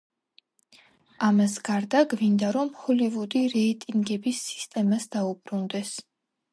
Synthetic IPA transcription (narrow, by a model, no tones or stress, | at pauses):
amasɡaɾd̪aɡvind̪aɾɔmhɔlivud̪iɾɛit̪ʼiŋɡɛbisːi̥st̪ʼɛmasd̪aubɾund̪ɛs